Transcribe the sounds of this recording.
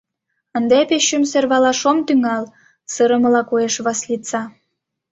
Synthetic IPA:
ənd̪epeɕəmserβɑlɑʃomt̪yŋɑl | səɾə̆mə̆lɑkoeʃβɑslit͡sɑ

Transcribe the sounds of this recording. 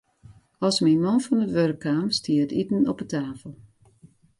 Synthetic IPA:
ɔsminmɔnfɔnətʋørkʰːaːmstʰiətitn̩ɔpətʰaːfəlˠ

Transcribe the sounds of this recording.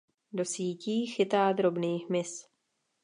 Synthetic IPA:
do̞siːciːxɪt̪aːd̪ɾo̞bniːɦmɪs

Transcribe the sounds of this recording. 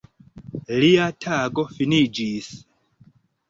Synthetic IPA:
liatʰaɡo̞finid͡ʒis

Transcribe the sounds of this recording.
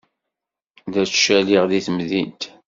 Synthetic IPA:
ðæt͡sʃæliʁðiθmðint̪

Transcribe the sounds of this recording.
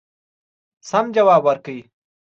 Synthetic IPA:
samd͡ʒawɑːbwɐɾkəi

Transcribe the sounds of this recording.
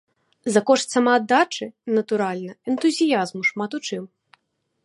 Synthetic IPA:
zɐkɔʂt̪ʲsɐmaːd̪ːat͡ʂɨnɐt̪uɾalʲnɐɛnt̪uzʲijazmuʂmat̪ut͡ʂɨm

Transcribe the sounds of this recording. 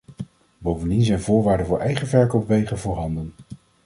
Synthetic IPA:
bowvəndinzɛjnvʊːɹʋaːɹdənvʊːɹɛjχənvɛɹkowpʋejχənvʊːɹɦɑndən

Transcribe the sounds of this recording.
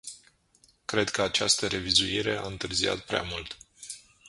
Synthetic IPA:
kɾe̞d̪kəat͡ʃast̪əɾe̞vizuiɾe̞a̰ɨnt̪ɨrzia̰t̪̚pɾea̰mult̪

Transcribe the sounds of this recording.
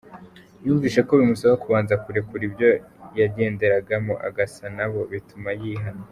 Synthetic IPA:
juːɱviːʃe̞ko̞βimusaβakuβaːnzakuɾe̞kuɾibjo̞jaɟe̞ːnde̞ɾaɡamoʔa̰ɡasanaβo̞βitumajiːɦano

